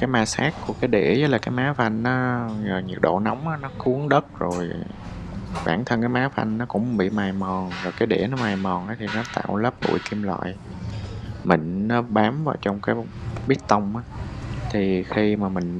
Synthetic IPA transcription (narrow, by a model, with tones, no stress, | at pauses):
kaː˨˦jmaː˧saː˦˥kku˧˩əkaː˨˦jɗḛ˧˩zə˦˥laː˨˩kaː˨˦jmaː˨˦fa˧ŋnɔ˨˦əː˨˩ɲɨ˨˩ək̚ɗo̰˧˨na˨˦wŋ͡mʔaː˨˦nɔ˨˦xu˨˦əŋɗə˦˥t̚zo˨˩j | ɓaː˧˩nt̪ʰə˧nkaː˦jmaː˨˦fa̰˧jŋnɔ˨˦kʊ̰˧˥wŋ͡mɓḭ˧˨maː˨˩jmɔ˨˩nzɔ˨˩jkaː˨˦jɗḛ˧˩nɔ˨˦maː˨˩jmɔ˨˩nʔaː˨˦t̪ʰi˨˩nɔ˨˦t̪a̰ː˧˨wləː˦˥p̚ɓṵ˧˩jki˧mlwa̰ː˧˨j | mï˨˩ŋ̟nɔ˨˦ɓaː˨˦mvaː˨˩wt͡ɕɔ˧wŋ͡mkaː˨˦j | ɓi˦˥ət̚t̪ə˧wŋ͡mʔaː˨˦t̪ʰi˨˩xi˧maː˨˩mï˨˩ŋ̟